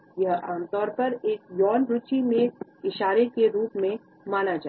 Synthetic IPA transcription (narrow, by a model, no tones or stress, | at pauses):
jɐɦaːmt̪ɔːɾpɐɾeːkjɔːnɾʊt͡ʃimẽɪʃaːɾekeɾuːpmẽ | maːnad͡ʒaː